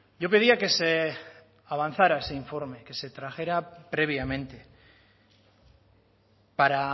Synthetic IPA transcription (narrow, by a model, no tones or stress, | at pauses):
ɟ͡ʝo̞pe̞ðiake̞se | aβ̞an̟θaɾae̞se̞iɱfo̞ɾme̞ke̞se̞t̪ɾaxe̞ɾapɾe̞β̞jamẽ̞nt̪e̞ | paɾa